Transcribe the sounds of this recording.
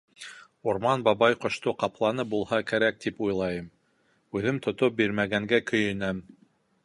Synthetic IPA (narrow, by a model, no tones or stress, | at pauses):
uɾmɑnbɑβɑjqŏʃt̪oqɑplˠɑnɤbulˠhɑkæɾæk̚t̪ipujlˠɑjɤm | ʉðɘmt̪ʰŏt̪op̚biɾmæɡæŋɡækɵ̆jɘ̆næm